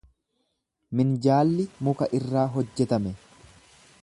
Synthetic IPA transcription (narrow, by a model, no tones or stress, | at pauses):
mɪnd͡ʒaːlːɪmʊkɐʔɪrːaːɦɔd͡ʒːɛt̪ɐmɛ